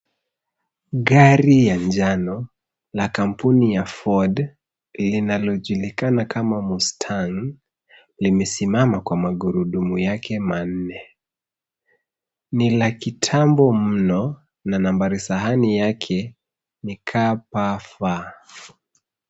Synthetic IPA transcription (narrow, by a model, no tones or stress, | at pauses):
ɠaɾijaɲd͡ʒanɔ | lakam̩punijafɔd | linalɔʄulikanakʰamamustʰaŋ | limɛsimamakwamaɡuɾuɗumujakʰɛman̩nɛ | nilakitʰambɔm̩nɔ | nanambaɾisaɦanijakʰɛ | nikʰapafa